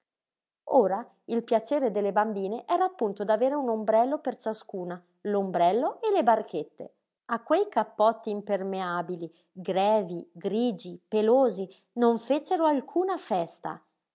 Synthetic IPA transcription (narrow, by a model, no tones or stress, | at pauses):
oːɾa | ilpjat͡ʃeːɾed̪elːebambiːneʔɛːɾaːpːunt̪od̪aveːɾeunombɾɛlːopert͡ʃaskuːna | lombɾɛlːoʔelebarkʰet̪ːḛ | akːwejkapːɔt̪ːiːmpermeaːbili | ɡɾɛːviɡɾiːd͡ʒipeloːzi | noɱfet͡ʃeɾoalkʰuːnafɛst̪a̰